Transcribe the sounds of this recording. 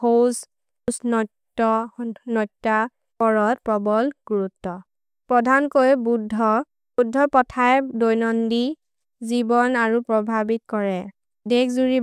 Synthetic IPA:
hoz | snɔttːɔnɔtːa | pɔɹɔtpɔbɔlɡuɹutːɔ | pɹɔdʱankojbudʱːɔ | budʱːɔpɔtʰajdojnɔndi | zibɔnaɹupɹɔbʱabitkɔɹɛ | dekzuɹi

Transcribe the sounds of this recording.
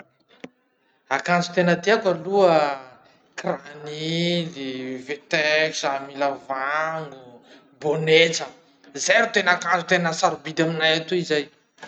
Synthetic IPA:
akant͡su̥t̪enəd̪eakəluə | kranilivet̪eksamilavaŋɡu | bonet͡sə | zeɾut̪enakant͡sut̪enəsaɾubid̪aminajat̪uizaj

